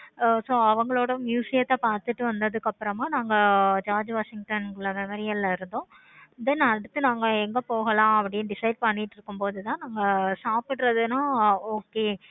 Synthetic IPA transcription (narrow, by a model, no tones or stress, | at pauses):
soːɐʋɐŋɡɐɭoːɽɐmjuːsɪjɐt̪ːãːpaːɾt̪ɯʈːɯʋɐnd̪ɐðɯkːɐpːɯɾɐmaːnaːŋɡɐd͡ʒaːɾd͡ʒʋaːʂɪŋɡ̚ʈɐnɡɯɭːɐmɛmɔɾɪjɐlaɪɾɯnd̪õː | ɪðɐnɐɽɯt̪ːɯnaːŋɡɐɛŋɡɐpoːɣɐlãːɐpːɐɽɪjeɖɪsɐɪɖ̚pɐɳːɪʈːɪɾɯkːɯmpoːðɯt̪ãːnaːŋɡɐsaːpɪʈːɾɐðɯnaːoːkeː